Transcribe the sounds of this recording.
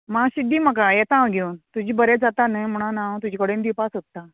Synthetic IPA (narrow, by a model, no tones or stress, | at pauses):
maɕid̪ːiːm̤ək̬ajɛt̪ãwɡʱeunt̪ud͡ʑiːbəɾed͡zat̪anəmuɽ̃anãwt̪̬ud͡ʑiːkəɽẽnd̪ipasot̪ːa